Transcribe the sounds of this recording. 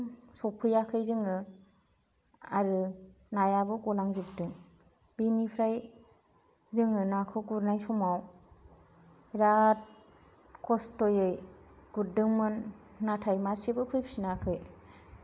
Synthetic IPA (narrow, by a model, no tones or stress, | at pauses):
sɔpʰɯjakʰɯjzɯŋɯ | aɾɯ | najabɯɡɔlaŋzik̚dɯŋ | binipʰɾaj | zɯŋɯnakʰɯɡuɾnajsɔmaw | ɾat̚ | kʰɔstɔjɯjɡ̥udɯŋmɯnːatʰajmasebɯpʰɯjpʰsinakʰɯj